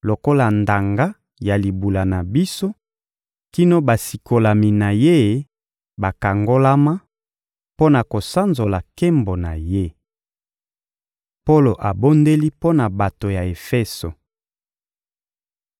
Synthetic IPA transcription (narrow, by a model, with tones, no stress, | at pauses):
lo˨ko˦la˨nda˨ŋɡa˦ | ja˨li˨bu˨la˨na˨bi˦so˦ | ki˦no˦ba˨si˨kʰo˨la˨mi˨na˨je˦ | ba˨ka˨ŋɡo˦la˦ma˦ | po˦na˨ko˨sa˦nzo˨la˨ke˦mbo˨na˨je˦ | po˦lo˨ʔa˨bo˦nde˦li˦po˦na˨ba˨to˨ja˨e˨fɛ˦so˨